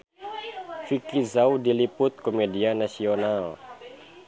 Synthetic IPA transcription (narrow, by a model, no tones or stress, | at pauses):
fikizawdilipʊt̪̚komedianasional